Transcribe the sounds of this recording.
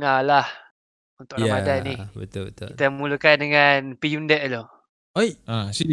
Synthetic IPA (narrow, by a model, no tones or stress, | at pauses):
ŋalah | unt̪ʊkamadanibət̪ʊlbət̪ʊ̰kit̪aməmulukandəŋanpijundɛʔlo | ojasi